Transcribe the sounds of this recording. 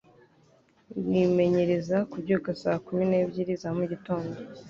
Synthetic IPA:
wime̞ɲe̞ɾe̞zakubɟuːkasaːkumine̞ːbɟiɾizamuɟito̞ːnɡo

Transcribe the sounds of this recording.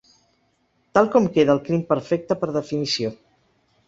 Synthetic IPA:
t̪alˠkɔmkeðəlˠklimpəɾfɛk̚t̪əpəɾðəfinisio

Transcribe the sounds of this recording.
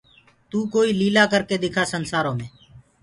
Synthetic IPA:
t̪uːkoːiːliːlaːkəɾkeːd̪ɪkʰaːsənsaːɾõːmẽː

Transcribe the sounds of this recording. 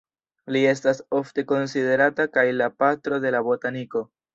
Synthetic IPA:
lie̞staso̞fte̞ko̞nside̞ɾatakajlapatɾo̞de̞labo̞taniko̞

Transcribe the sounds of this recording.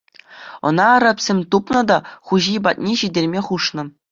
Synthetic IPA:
ɤ̰̆nɑɾɑpʲsʲemʲt̪upnɤ̆d̪ɑχuʑijbɑt̪̚ʲnʲeɕidʲelʲmʲeχuʂnɤ̆

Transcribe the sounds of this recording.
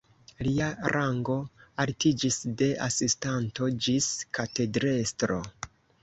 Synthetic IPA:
liaɾʔaŋɡo̞altid͡ʒisde̞ʔasistanto̞d͡ʒiskate̞dɾe̞stɾo̞̰

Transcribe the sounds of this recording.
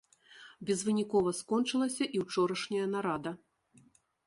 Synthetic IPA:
bʲɛzvɨnʲikɔvɐskɔnt͡ʂɨlˠɐsʲɐʔiwt͡ʂɔɾɐʂnʲɐjɐnaɾad̪ɐ

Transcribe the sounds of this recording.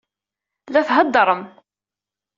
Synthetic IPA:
læθɦəd̪ːɾˤən

